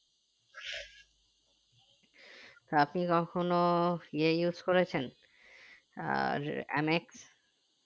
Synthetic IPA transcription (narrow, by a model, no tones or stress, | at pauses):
t̪oapnikɔkʰonoiejuzkoɾet͡ɕʰen | ḛmeks